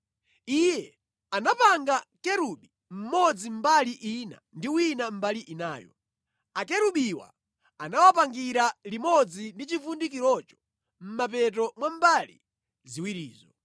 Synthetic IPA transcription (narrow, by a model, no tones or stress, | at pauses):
ijɛ | anapaŋɡakɛɾuɓi | m̩mɔd͡zim̩baliʔina̰ndiwinam̩baliʔinaːjɔ̰ | akɛɾuɓiwa̰ | anawapaŋɡiɾalimɔd͡zindit͡ʃifundik̬iɾɔt͡ʃɔ̥ | m̩mapɛt̬ɔmwam̩balḭ | ziwiɾiːzɔ